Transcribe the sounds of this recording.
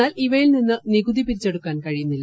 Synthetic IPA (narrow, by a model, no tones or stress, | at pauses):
aːliʋɐjilninːɨniɡud̪ipiɾit͡ɕːeɽukːaːnkɐɻijunːilː